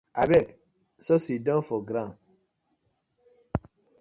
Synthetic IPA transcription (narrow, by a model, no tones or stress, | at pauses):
abɛk | sɔsidɔ̃nfɔɡɾãn